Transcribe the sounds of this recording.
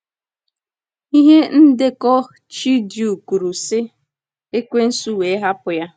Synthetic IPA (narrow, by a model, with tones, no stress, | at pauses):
i˦ɦe˦n̩˦de˦kɔ˦ | t͡ʃi˦dju˨ku˨ɾu˨sɪ˦ | e˦kʷe˦n̩˦su˦we˨˦ɦa˦pʊ˨ja˦